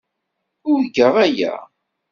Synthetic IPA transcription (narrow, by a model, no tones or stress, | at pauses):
ʊɾɡəʁæjæ̰